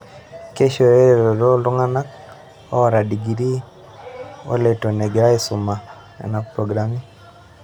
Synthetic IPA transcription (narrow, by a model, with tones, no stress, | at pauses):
ke˦ʃo˨ɾe˦ɾe˨ɾo˨do˦lɔ˦ŋa˦na˦k | ɔ˦ɔ˨ɾa˨di˨ɡi˨ɾi˦ | o̰˦le˨to˨nɛ˨ɡɪ˨ɾa˦ɪsʊ˨ma˨ | a̰˨na˦k̚pɾo˨ɡɾami˦